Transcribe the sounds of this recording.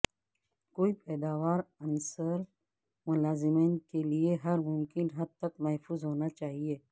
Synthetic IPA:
koːipɛːd̪aːʋaːɾɐnsəɾ | mʊlaːzɪmeːnkelieɦɐɾmʊmkɪnɦɐd̪̚t̪ɐkmɐɦfuːzɦoːnat͡ʃaːɦieː

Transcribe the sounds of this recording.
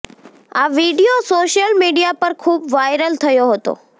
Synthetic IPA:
aʋiɖijosoʃəlmiɖijapəɾkʰuːbʋajɾəlt̪ʰəjoɦət̪o̰

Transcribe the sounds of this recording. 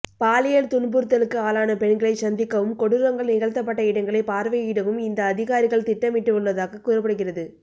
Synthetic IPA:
paːlɪjɐlt̪ʊɳbɯɾt̪ːɐlɯkːɯaːlaːnɐpɛɳɡɐɭɐɪt͡ʃɐnd̪ɪkːɐʋɯmkɔɽɯɾɐŋɡɐɭnɪɣɐɭt̪ːɐp̬ːɐʈːɐɪɽɐŋɡɐɭɐɪpaːɾʋɐɪɽɐʋɯmɪnd̪ɐːðɪɣaːɾɪɣɐɭt̪ɪʈːɐmɪʈːɯkɔɭʋɐðaːɣɐkuːrɐpːɐɽɯɣɪrɐðɯ

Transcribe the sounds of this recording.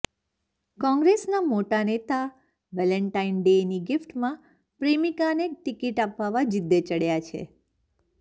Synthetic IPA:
kɔ̃ŋɡɾesnamoʈanet̪a | ʋɛləɳʈainɖeniɡɪfʈmã | pɾemikaneʈikiʈapʋaʋad͡ʒɪd̪ːet͡ʃəɽjat͡ʃʰḛ

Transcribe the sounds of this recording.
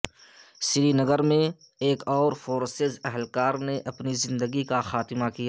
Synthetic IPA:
sɪɾinəɡəɾmẽ | eːkɔːɾfoːɾsɪzɛɦəlkaːɾneʔɐpnizɪ̃nd̪əɡikaxaːt̪ɪmakija

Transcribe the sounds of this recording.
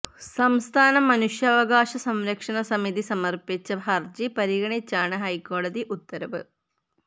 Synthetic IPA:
sɐmst̪ʰaːnɐmɐnuʂjɐːʋɐɡaːʂɐsɐmɾɐkʂɐnɐsɐmiðisɐmɐrpit͡ɕːɐbʱɐrd͡ʑipɐɾiɡɐɳit͡ɕːaːɳɨɦɐjko̞ːɽɐðiʔut̪ːɐɾɐʋɨ

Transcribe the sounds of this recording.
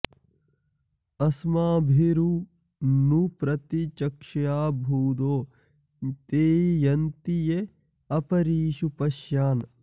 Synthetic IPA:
ɐsmaːbʱiɾu | nupɾɐt̪it͡ʃɐkʂɐjaːbʱuːd̪oː | t̪eːjɐnt̪ije | ɐpɐɾiːʃupɐʃjaːn

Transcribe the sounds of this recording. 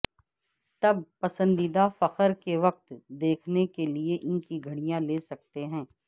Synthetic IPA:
t̪ɐb̚pɐsə̃nd̪id̪afɐqəɾkeʋɐq̚t̪d̪eːkʰnekelieʔɪnkiɡʱɐɽ̃ijãleːsɐk̚t̪eɦɛ̃ː

